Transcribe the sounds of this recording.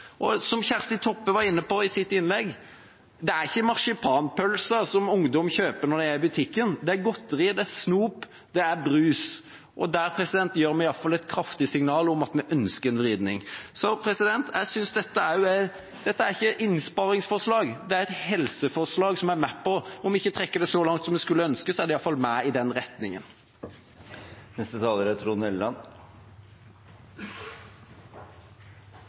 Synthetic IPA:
ʔɔsɔmçæɾst̪ɪt̪ʰɔpːəʋɑɾɪnːəpɔɪsɪt̪ːɪnlɛɡː | d̪ɛæɾɪçːəmɑʂɪpʰɑːnpʰœlsəsɔmʊŋd̪ɔmçøːpəɾnɔd̪ɛæɾɪbʉt̪ʰɪkːənd̪ɛæɾɡɔt̪ːɾɪd̪ɛæɾsnuːp | d̪̥ɛæɾbɾʉːs | ʔɔd̪æɾpʰɾɛsɪd̪ɛnt̪jøːɾmɛɪɑlfɑlɛt̪kʰɾɑft̪ɪsɪŋnɑːlɔmɑt̪mɛʔœnskəɾɛnʋɾiːd̪nɪ̰ŋsɔpʰɾɛsɪd̪ɛnt̪ʰjæɪsʏnsd̪ɛt̪ːəæɾjʊæ | d̪̥ɛt̪ːəæɾɪçːəʔɪnspɑɾɪŋsfɔʁʂlɑːɡd̪ɛæɾɛt̪hɛlsəfɔʁʂlɑːɡsɔmæɾmɛpʰːɔɔmɪçːət̪ʰɾɛkːəd̪ɛsɔlɑŋt̪sɔmɛskʉlːəœnskəsɔæɾd̪ɛɪɑlfɑlmæɪd̪ɛnɾɛt̪nɪŋən | nɛst̪ət̪ʰɑːləɾət̪ʰɾuːnɛllɑn

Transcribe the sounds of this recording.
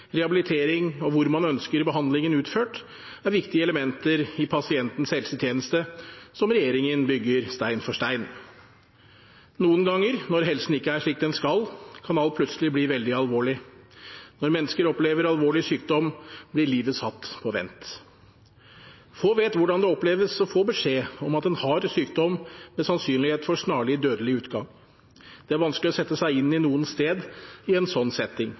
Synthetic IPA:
ɾɛhɑbɪlɪt̪ʰeːɾɪŋɔʋʊɾmɑnœnskəɾbəɦɑnd̪lɪŋənʉːt̪føːʈ | æɾʋɪkt̪ɪəɛləmɛnt̪əɾɪpʰɑsɪɛnt̪n̩shɛlsət̪ʰjeːnəst̪əsɔmɾɛjeːɾɪŋənbʏɡːəɾst̪æɪnfɔʂʈæɪn | nuːənɡɑŋːəɾnɔɾɦɛlsn̩ɪkːəæʂɭiːk̚d̪ɛnskɑlkʰɑnɑlt̪̚pʰlʉt̪səlɪbliːʋɛld̪ɪɑlʋoːɭɪ | nɔɾmɛnːəskəɾɔpleːʋəɾɑlʋoːɭɪsyːk̚d̪ɔmblɪɭiːʋəsɑt̪ːpʰɔʋɛ̰nt̪ | foːʋeːt̪ʋʊɖɑnd̪ɛɔpleːʋəsɔfoːbəʂeːɔmɑt̪ɛnhɑɾsyːk̚d̪ɔmːmɛsɑnsyːnlɪheːt̪fɔʂnɑːɭɪd̪øːd̪əlɪʉːt̪ɡɑŋ | d̪̥ɛæɾʋɑnsklɪɔsɛt̪ːəsæɪɪnːɪnuːənst̪eːd̪ɪɛnsɔnːsɛt̪ːɪŋ

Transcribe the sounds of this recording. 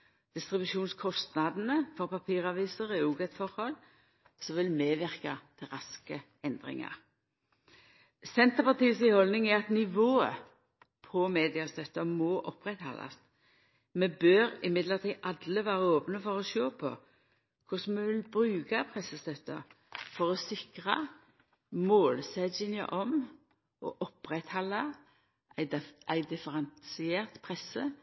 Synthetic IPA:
d̪̥ɪst̪ʁɪbʉʃuːnskʰɔst̪nɑd̪nəfɔʁpɑpʰiːʁɑʋiːsəʁɛuːɡət̪fɔʁhɔl | sɔʋɪlmeːʋɪʁkat̪ʰɪʁɑskə | ɛnd̪ʁɪ̰ŋɑ̰ʁ | sɛnt̪əʁpɑʁt̪iːsɪhɔlnɪŋɛɑt̪nɪʋoːə̰ | pʰɔmeːd̪ɪɑst̪œt̪ːəmɔːʔɔpːʁɛt̪hɑ̰lʔɑ̰st̪ | mɛbøɾɪmɪd̪ləʁt̪ʰiːʔɑd̪ləʋæːʁəoːpnəfɔʁɔʃoːpʰɔ̰ | kʰʊsmɛʋɪlbɾʉːɡɑpʰʁɛsəst̪œt̪ːə̰ | fɔʁɔsɪkʁɑ | moːlsɛd̪jɪŋə̰ʔɔm | ʔɔ̰ʔɔpːɾɛt̪hɑlːɑ | ʔæʔæɪd̪ɪfəʁɛnsɪɛːʁt̪pʰʁɛsːə

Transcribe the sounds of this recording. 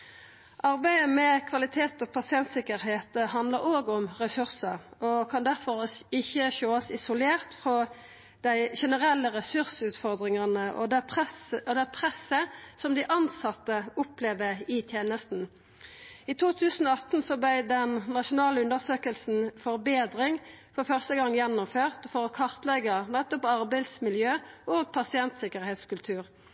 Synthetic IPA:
ʔɑʁbæɪəmɛkʰʋɑlɪt̪ʰeːt̪ɔpʰɑsɪɛnt̪sɪkəɾheːt̪əhɑnd̪ləʁoːɡʊmʁɛsʉʁsəɔkʰɑnd̪æʁfɔʁɪçːəçoːəsɪsʊleːʁt̪fʁɔ | d̪̥æɪʃɛnəʁɛlːəʁɛsʉʁsʉːt̪fɔʁd̪ʁɪŋɑnəʔɔ̰d̪æpɛsɔd̪æpʰʁɛsːəsɔmd̪ɪʔɑnsɑt̪ːəʊpleːʋəɪt̪ʰjeːnəst̪n̩ | iːt̪ʰuːt̪ʰʉːsən̩ɔɑt̪n̩sɔblæɪd̪ɛnːɑʃʊnɑːləʉnd̪əʁsøːkəlsn̩fɔʁbeːd̪ʁɪŋfɔʁfœʁst̪əɡɑŋːjɛnːʊmføːʁt̪fɔʁɔkʰɑʁt̪lɛɡənɛt̪ɔpɑʁbæɪd̪smɪljøːʔɔːɡ̚pʰɑsɪɛnt̪sɪkəʁheːt̪skʉlt̪ʰʉːʁ

